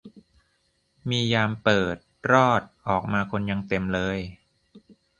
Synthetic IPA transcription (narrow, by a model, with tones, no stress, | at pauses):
miː˧jaː˧mpɤː˨˩t̪̚ɾɔː˥˩t̪̚ʔɔː˨˩k̚maː˧kʰo˧nja˧ŋt̪e˧mlɤː˧j